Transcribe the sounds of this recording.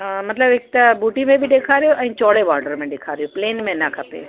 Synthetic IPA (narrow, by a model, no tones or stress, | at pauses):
mɐt̪ləbɪk̚t̪ɐbuːʈimẽbʱiɗeːkʰaɾijoʔɛ̃ːt͡ʃɔːɽeʋaːɾɖəɾmẽɖeːkʰaːɾijopleːnmẽnɐkʰɐpḛː